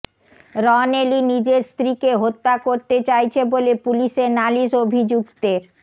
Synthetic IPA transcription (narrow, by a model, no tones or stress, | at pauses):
ɾɔnelinid͡ʑeɾst̪ɾikeɦot̪ːakoɾt̪et͡ɕajt͡ɕʰebolepuliʃeɾnaliʃobʱid͡ʑukt̪eɾ